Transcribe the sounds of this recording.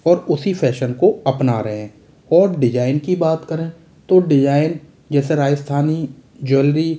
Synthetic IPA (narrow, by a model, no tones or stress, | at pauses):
ɔːɾʊsipʰɛːʃənkoɐpna̰ɾɐɦẽː | ɔːɾɖɪd͡ʒaːɪnkibaːt̪kɐɾẽ | t̪oɖɪd͡ʒaːɪn | d͡ʒɛːseɾaːd͡ʒəst̪ʰaːnid͡ʒʊlɾi